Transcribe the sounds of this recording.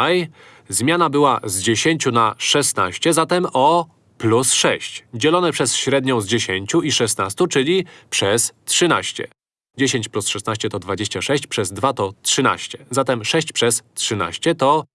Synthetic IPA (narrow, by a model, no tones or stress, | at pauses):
aj | zmʲanabɘwazd͡ʑeɕeɲt͡ɕunaʂɛsnaɕt͡ɕɛzat̪ɛmɔ | plusʂɛɕt͡ɕd͡ʑɛlɔnɛpʂɛsɕɾɛd̪ɲɔ̃w̃zd͡ʑeɕeɲt͡ɕuiʂɛst̪nast̪ut͡ʂɘlʲipʂɛstʂɘna̰ɕt͡ɕɛ̰ | d͡ʑeɕeɲt͡ɕplusʂɛsnaɕt͡ɕɛt̪ɔd̪vad͡ʑeɕt͡ɕaʂɛɕt͡ɕpʂɛzd̪vat̪ɔtʂɘna̰ɕt͡ɕɛ̥zat̪ɛmʂɛɕt͡ɕpʂɛstʂɘna̰ɕt͡ɕɛt̪ɔ